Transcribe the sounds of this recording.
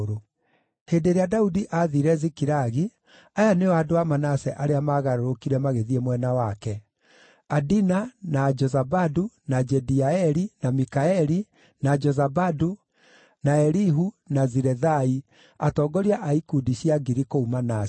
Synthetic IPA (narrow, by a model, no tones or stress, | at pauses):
ɾo | heːndeɾeadaudiʔaðiɾɛzikiɾaɣi | ajaneaːdoamanasɛʔaɾeamaɣaɾoɾokiɾɛmaɣeðiɛmwɛnawakɛ | adinanad͡ʒɔzabadunad͡ʒɛdiaɛɾinamikaɛɾi | nad͡ʒɔzabadu | naɛɾiɦu | naziɾɛðai | atɔːɡɔɾiaʔaikudiɕiaɡiɾikoumana